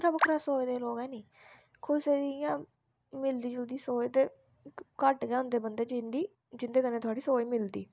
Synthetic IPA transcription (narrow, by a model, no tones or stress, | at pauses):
ɾəbkʰɾasoːeːd̪eːloːɡɛːniː | kʰʊseːd̪jãː | mɪld̪iːd͡ʒəld̪iːsoːeːt̪eː | kəʈɡɛːʊ̃nd̪eːbənd̪eːd͡ʒɪnd̪iː | d͡ʒɪnd̪eːkəneːt̪ʰʊaːɽiːsoːiːmɪld̪iː